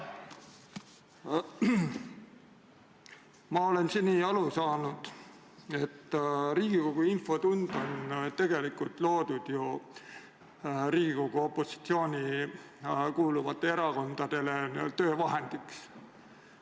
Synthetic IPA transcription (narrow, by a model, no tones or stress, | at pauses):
mɑo̞le̞nsinːiɑlusɑːnud̪̥ | e̞t̪ːɾiːɡ̥iko̞ɡ̥uinfo̞t̪und̪̥o̞nt̪e̞ɡ̥e̞likːˑult̪ˑlo̞ːd̪̥ud̪̥ju | ɾiːɡiko̞ɡ̥uo̞pːˑo̞si̥t̪sio̞ːnʲi | kuːluvɑt̪ːˑe̞e̞ɾɑko̞nd̪̥ɑd̪̥e̞le̞nḭlt̪ø̞ːvɑɦend̪̥iks